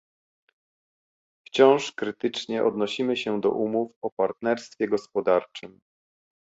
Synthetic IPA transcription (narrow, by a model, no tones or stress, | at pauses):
ft͡ɕɔ̃w̃ʂkɾɘt̪ɘt͡ʂɲɛʔɔd̪nɔɕimɘɕɛd̪ɔ̰ʔumufɔpaɾt̪nɛɾst̪fʲjɛɡɔspɔd̪aɾt͡ʂɘm